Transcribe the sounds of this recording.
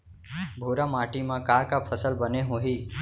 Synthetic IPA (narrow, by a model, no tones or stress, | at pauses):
bʱoːɾamaːʈimãkaːɾkapʰəsəlbəneɦõːɦiː